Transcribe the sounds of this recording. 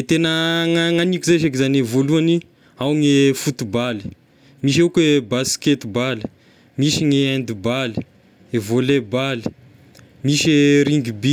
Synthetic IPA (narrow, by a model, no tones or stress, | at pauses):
et̪enəŋaŋanikuzeʃekizanevoluani | awŋefut̪ubali̥ | miʃ̬ekwebasket̪ibali̥ | miʃiŋeand̪ibali̥ | evolebali̥ | miʃeɾiŋɡibi